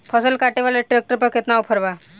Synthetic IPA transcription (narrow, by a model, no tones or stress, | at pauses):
pʰəsəlkaʈeʋaleʈɾek̚ʈəɾpəket̪nawpʰəɾʋa